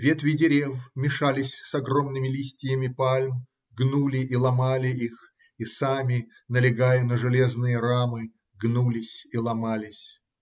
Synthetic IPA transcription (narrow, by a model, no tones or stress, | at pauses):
vʲet̪vʲɪdʲɪɾʲevmʲɪʂalʲɪsʲsɐɡromnɨmʲɪlʲisʲtʲɪjəmʲɪpalʲm | ɡnulʲɪʔilˠɐmalʲɪix | isamʲɪ | nəlʲɪɡajɪnəʐɨlʲeznɨjəɾamɨ | ɡnulʲɪsʲilˠɐmalʲɪsʲ